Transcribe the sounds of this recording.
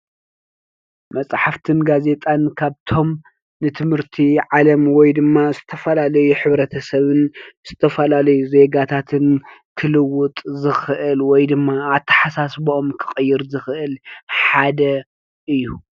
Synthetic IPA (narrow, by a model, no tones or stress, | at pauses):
mɐsʼħaft̪ʰɨnɡaze̞t̪ʼankʰaβt̪ʰo̞m | nɨt̪ʰɨmhɨɾt̪ʰiʕalɐmwɔjd̪ɨmːazɨt̪ʰɐfɐlalɐjuħɨβɾɐt̪ʰɐsɐβɨnz̥ɨt̪ʰɐfɐlalɐjuze̞ɡat̪ʰat̪ʰɨnkʰɨlɨwʊt̪ʼzɨxɨʔɨlwɔjd̪ɨmːaːt̪ʰːɐ̥ħasasboomkʰɨ̥xʼɨjːɪɾzɨxɨʔɨlħad̪ɐ | ʔɨjːu